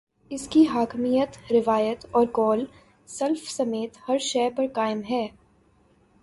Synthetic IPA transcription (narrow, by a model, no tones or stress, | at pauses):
ɪskiɦaːkmijət̪ɾɪʋaːjət̪ɔːɾkɔːl | sɐlfsɐmeːt̪hɐɾʃɛːpɐɾkaːɪmɦɛː